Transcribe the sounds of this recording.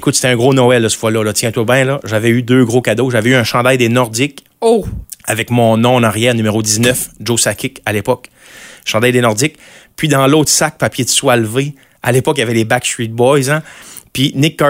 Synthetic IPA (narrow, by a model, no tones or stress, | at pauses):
ekʊt̪se̥t̪ɛɛ̃ɡʁonɔɛld̪əsə̥fwalɔlɔt̪jɛ̃t̪wabɛ̃lɔʒavɛyd̪øɡʁokʲad̪oʒavɛyœ̃ʃɑ̃d̪ajd̪enɔʁd̪ɪk | avɛkmɔ̃nɔ̃naʁjɛːʁnymeʁod̪iznœfʒosakʲɪkalepɔk | ʃɑ̃ːd̪ajd̪enɔʁd̪ɪk̚ | pɥid̪ɑ̃lɔːt̪sak̚papjed̪əsualve | alepɔkjavɛlebakst̪ɹit̪̚bɔjzãpinɪkːɑ